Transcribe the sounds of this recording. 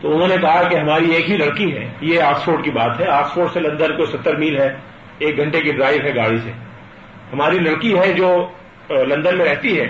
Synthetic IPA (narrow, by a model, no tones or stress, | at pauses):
t̪oʊnɦõnekɐɦakeɦɐmaːɾieːkɦilɐɽkiɦɛ̰ːjeaːksfoːʈkibaːt̪ɦɛaːksfoːʈselɐ̃nd̪ənkosɐt̪ːəɾmiːlɦɛ | eːk̚ɡʱɐ̃ɳʈekiɖɾaːɪʋɦɛɡaːɽise | hɐmaːɾilɐɽkiɦɛd͡ʒoː | lɐ̃nd̪ənmẽɾɛɦt̪iɦɛː